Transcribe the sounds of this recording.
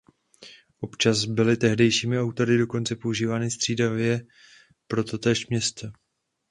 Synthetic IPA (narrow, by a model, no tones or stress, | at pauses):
ʔo̞pt͡ʃazbɪlɪt̪ɛɦdɛjʃiːmɪawt̪o̞ɾɪdo̞ko̞nt͡sɛpo̞uʒiːvaːnɪst̪r̝̥iːdavɪjɛ | pɾo̞t̪o̞t̪ɛːʃmɲɛst̪ɛ